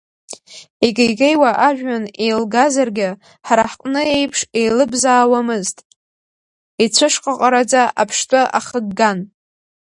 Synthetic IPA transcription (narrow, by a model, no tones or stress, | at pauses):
iɡʲejɡejwaʔaʒᶣane̞jlɡazarɡʲɪ | ħaɾaħqʼnɨe̞jpʰʂe̞jlɨbzaːwamɨztʼ | it͡sʷʰɨʂqʼaqʼaɾad͡zaapʰʂtʼaʔa̰χəɡːan